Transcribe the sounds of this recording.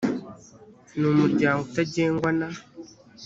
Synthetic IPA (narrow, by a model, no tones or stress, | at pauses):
numuɾɟaːŋɡotaɟeːŋɡwana